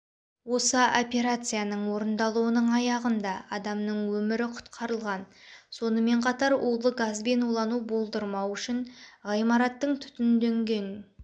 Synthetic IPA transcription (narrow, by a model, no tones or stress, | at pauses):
wo̞səʔopʲe̞ɾat̪sɨjanəɴwo̞ɾənd̪ɑlˠuwənəɴɑjɑʁənd̪ɑɑd̪ɑmnəɴwɵmɪɾɪqʰʊ̥t̪qʰɑɾəlˠʁɑn | so̞nəme̞ɴqʰɑt̪ɑɾolˠəɡazbe̞nulˠɑnubo̞lˠd̪əɾmɑwʏʃɪɴʁɑjmɑɾɑt̪ːəɴt̪ʰʏ̥t̪ɪnd̪ɵŋɡʲe̞n